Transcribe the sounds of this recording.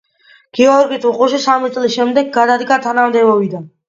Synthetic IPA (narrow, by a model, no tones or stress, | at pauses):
ɡ̥iɔɾkʼit̪ʰʼuqʼuʃisamit̪sʼlisʃɛmd̪ɛɡɡad̪ad̪ɡat̪ʰanamd̪ɛbɔvid̪an